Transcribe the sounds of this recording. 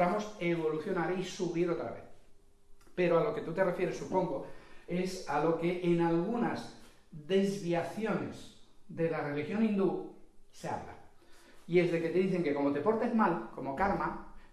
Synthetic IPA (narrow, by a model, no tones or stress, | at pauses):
ɾamo̞se̞βo̞luθjo̞naɾisuβiɾo̞t̪ɾa̰βe̞̰θ | pe̞ɾoalo̞ke̞t̪ut̪e̞re̞fje̞ɾe̞sːupo̞ŋɡo̞e̞salo̞ke̞ʔːnalɣ̞una̰z | ðe̞zβiaθjo̞ne̞̰zðe̞lare̞lixjo̞nĩnd̪usea̰βla̰ | ie̞zðe̞ke̞t̪e̞ðiθe̞ŋke̞ko̞mo̞t̪e̞po̞ɾt̪ezmalko̞mo̞kaɾma